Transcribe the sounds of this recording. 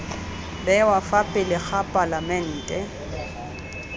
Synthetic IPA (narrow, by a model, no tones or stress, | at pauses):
bɛwafapʼɪlɪχapʼalamɛn̩ːtʼɛ